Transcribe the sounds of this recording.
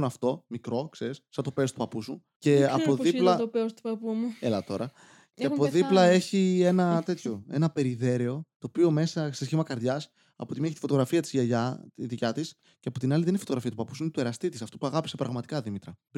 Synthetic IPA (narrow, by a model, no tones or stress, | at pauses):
nɐft̪o̞mikɾo̞kse̞ɾissɐt̪o̞pe̞st̪upɐpusu | ce̞ɐpoðiplɐopeost̪u̥pɐpumuelɐt̪o̞ɾɐ | ceɐpoðiplɐe̞çie̞nɐt̪e̞t̪ço̞e̞nɐpe̞ɾiðe̞ɾeo̞t̪o̞pio̞me̞sɐst̪esçimɐkɐɾðʝɐs | ɐ̰po̞t̪imieçit̪ifot̪o̞ɣɾɐfiɐt̪i̥zʝɐʝɐðicɐt̪is | ceɐpo̞t̪inɐliðenifot̪oɣɾɐfiɐt̪upɐpusuinet̪ue̞ɾɐst̪it̪isɐft̪upuɐɣɐpi̥se̞pɾɐɣmɐt̪i̥kɐðimit̪ɾɐ